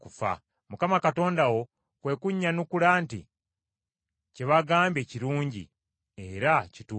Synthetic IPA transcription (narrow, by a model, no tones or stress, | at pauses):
kufa̰ | mukamakato̞ːndawo̞ | kwe̞ːkuɲːanukulaːntḭ | ceβaɡaːmbe̞ːciɾuːɲɟḭ | e̞ɾacitu